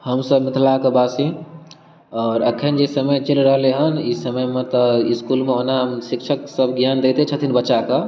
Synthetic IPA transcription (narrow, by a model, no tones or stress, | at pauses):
həmsəbmɪt̪ʰlakebasi | ɔːɾəkʰend͡ʒesəməjt͡ʃilɾəɦleɦənisəməjmẽt̪əiskulmẽɦonaɦəmsikt͡ʃʰəksəbʱɡjand̪et̪et͡ʃʰət̪ʰinbəːt͡ʃaka